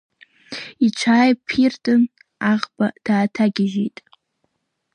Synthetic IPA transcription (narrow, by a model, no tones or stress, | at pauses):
it͡ʃʷʰaːjpʰirtʼɨn | aʁbad̥aːtʰaɡʲɪʒejtʼ